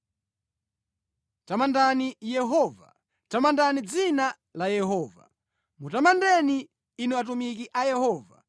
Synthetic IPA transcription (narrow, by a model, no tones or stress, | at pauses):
tamandanijɛɦɔːva̰ | tamandanid͡zina | lajɛɦɔːva̰ | mutamandɛniː | nuat̬umikiʔajɛhɔːva̰